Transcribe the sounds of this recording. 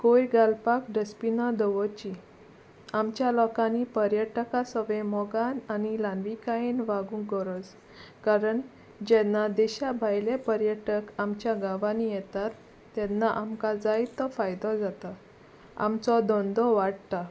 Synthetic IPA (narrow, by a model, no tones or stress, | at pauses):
kojɡalpakɖəspinad̪ɔʋɔt͡ɕi | amt͡ɕjalɔkanipəɾjəʈkasɔʋẽmɔɡananilanʋikaenʋaɡũkɡɔɾɔd͡z | kaɾəɳ | d͡ʑɛnːad̪ɛɕabʱajlepəɾjəʈəkamt͡ɕjaɡaʋanijɛt̪at̪ː | ɛnːaʔamkad͡zajt̪ːɔfajd̪ɔd͡zat̪a | a̰mt͡sɔd̪ɔnd̪ɔʋaɽt̪a